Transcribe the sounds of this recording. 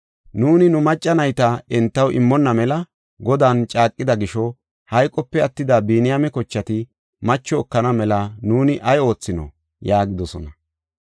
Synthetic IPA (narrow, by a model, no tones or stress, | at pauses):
nuːnɪnʊmɐt͡ʃʼːɐnɐjt̪ɐɛnt̪ːɐwʔɪ̰mːɔnːɐmɛlɐ | ɡɔd̪aːnt͡ʃʼaːkʼːɪd̪ɐɡɪʃɔ | hɐjkʼɔpːɛɐt̪ːɪd̪abiːnɪjamɛkɔt͡ʃːɐt̪ɪ | mɐt͡ʃːɔːkːɐnɐmɛlɐnuːnɪʔɐjo̞ːt͡sːɪnɔ̰ | jaːɡɪd̪ɔsɔ̰nɐ